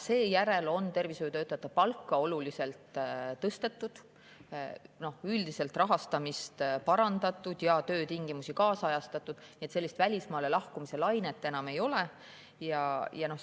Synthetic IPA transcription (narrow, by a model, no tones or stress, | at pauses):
se̞ːjæɾe̞lo̞nt̪e̞rvisojt̪øːt̪ːˑɑt̪ːˑɑpɑlkːɑo̞lulise̞lt̪ˑt̪ːɤst̪e̞t̪ːˑud̪̥ | no̞hyld̪ise̞lt̪rɑɦɑst̪ɑmist̪pɑɾɑnd̪ɑt̪ːˑud̪̥jɑt̪ø̞ːt̪iŋɡ̥imusikɑːsɑjɑst̪ɑt̪ːˑud̪̥niet̪selːist̪vælʲismɑːlelɑhkumise̞lɑjnet̪ːˑe̞nɑme̞jo̞le | jɑjɑno̞